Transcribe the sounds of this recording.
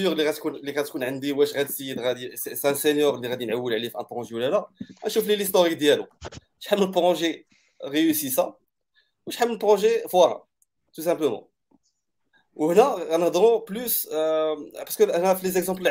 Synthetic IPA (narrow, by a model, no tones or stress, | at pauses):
əʁliʁæt̪kunliʁæt̪kunʕənd̪iwæʃʁæd̪səd̪ʁæd̪iseseæ̃senjɔʁlːiʁæd̪inʕawːəlʕlifʔæ̰̃pʁɔ̃ʒewlːælaæʃuflilist̪oʁik̚d̪jælu | ʃħamːəlpʁɔ̃ʒe | ʁeysis̬ɑ̃ | wəʃħamːəlpʁɔ̃ʒefwɑɾɑ̰ | t̪us̬æ̃pləmɑ̰̃ | whnæʁænhd̪ʁɔ̃plys | pɑʁskəhnæfilezɛkzɑ̃pl